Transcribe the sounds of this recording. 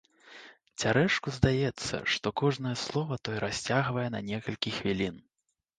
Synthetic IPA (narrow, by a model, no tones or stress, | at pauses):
t͡sʲaɾɛʂkuzd̪ajɛt̪sːɐ̰ʂt̪ɔkɔʐnɐjɛslˠɔvɐt̪ɔjɛɾasʲt͡sʲaɣvɐjɛnɐnʲɛkɐlʲkʲixvʲilʲin